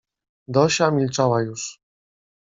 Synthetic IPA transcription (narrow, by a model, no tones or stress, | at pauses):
d̪ɔɕamʲilt͡ʂawajuʂ